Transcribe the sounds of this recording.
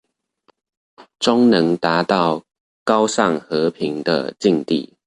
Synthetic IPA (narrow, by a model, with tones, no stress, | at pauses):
ʈ͡ʂʊ˥ŋnɤ˨˦ŋt̪a˨˥t̪ɑ˥˨ʊ | kɑ˦ʊsɑ˥˨ŋxɤ˨˧˦pʰi˨˦ŋd̪ə̰˧t͡ɕi˥˧ŋt̪ḭ˥˩